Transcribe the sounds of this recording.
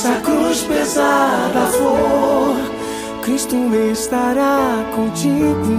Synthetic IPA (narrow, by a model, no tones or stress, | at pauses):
sakɾuspezad̪ɐfoɾ | kɾist̪ĩvest̪aɾakõt͡ʃid̪u